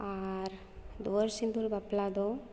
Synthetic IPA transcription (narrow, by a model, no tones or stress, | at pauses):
aɾ | d̪oɾsind̪uɾbɐplaːd̪o